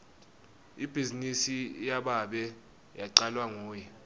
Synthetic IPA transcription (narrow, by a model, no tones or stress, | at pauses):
ib̥ʱizinisijaɓaɓɛ | jaǀalwaŋoːjɛ